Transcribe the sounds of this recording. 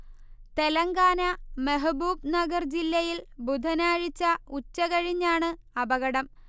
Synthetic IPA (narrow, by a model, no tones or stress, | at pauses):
t̪e̞lɐŋɡaːnɐmeɦɐbuːbnɐɡɐrd͡ʑilːɐjilbud̪ʱɐnaːɻit͡ɕːɐut͡ɕːɐɣɐɻiɲːaːɳɨ | ɐbɐɣɐɽɐm